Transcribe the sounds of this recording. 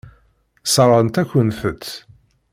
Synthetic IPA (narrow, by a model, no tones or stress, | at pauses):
səɾˤəənt̪æçʷənθət̪ː